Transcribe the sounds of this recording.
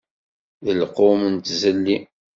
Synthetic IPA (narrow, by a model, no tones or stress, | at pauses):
ðəlqomənt̪zəlːi